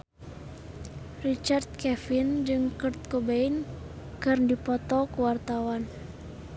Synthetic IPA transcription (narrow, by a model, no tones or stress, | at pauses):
rit͡ʃard̪̚kɛfind͡ʒɨŋkɨrt̪̚kobɛinkɨrndipɔt̪ɔkuwart̪awan